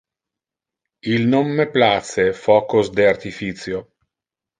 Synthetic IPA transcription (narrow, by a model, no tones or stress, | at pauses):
ilnomːeplat̪sefɔːkosd̪eart̪ifit̪sjo